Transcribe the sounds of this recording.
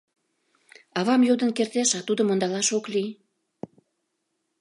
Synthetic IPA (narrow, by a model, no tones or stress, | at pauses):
ɑβɑmjod̪ə̆nkert̪eʃɑt̪ud̪əmond̪ɑlɑʃokli